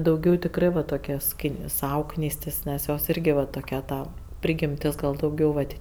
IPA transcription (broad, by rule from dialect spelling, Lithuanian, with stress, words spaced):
dɐʊˈɡʲɛʊ tʲɪkˈrɜ ʋɐ toːˈkʲɛ ˈsʲkʲɪ ˈsɐʊ ˈknʲiːsʲtʲɪs ˈnʲɛs ˈjoːs ˈiːrʲɡʲɪ ʋɐ toːˈkʲɛ ˈtɐ ˈpʲrʲɪɡʲɪmʲtʲɪs ˈɡɐlˠ dɐʊˈɡʲɛʊ ʋɐt